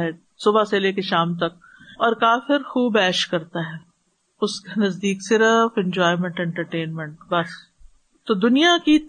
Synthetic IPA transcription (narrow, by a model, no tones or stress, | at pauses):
ɦɛ | sʊbaseleːkeʃaːmt̪ɐk̚ | ɔːɾkaːfɪɾxuːbɛːʃkɐɾt̪aɦɛː | ʊskanɐzd̪iːksɪɾəfɛ̃nd͡ʒɔːɪmɛ̃ɳʈɛ̃ɳʈəɾʈeːnmɛ̃ɳʈbɐs | t̪oːd̪ʊnijaki